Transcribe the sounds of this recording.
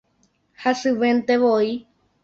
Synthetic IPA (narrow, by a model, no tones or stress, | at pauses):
hasɨʋẽnt̪eʋoi